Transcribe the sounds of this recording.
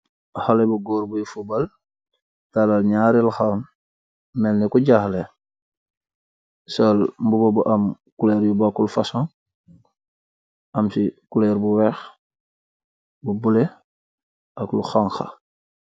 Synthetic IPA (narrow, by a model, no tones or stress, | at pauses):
xalebuɡoːɾbujufubal | talalɲaɾilxan | melnikuɟaxle | solmbubobuʔam | kuleɾjubakulfasõŋ | amsikuleɾbuwex | bubule | aklṵxaŋxa̰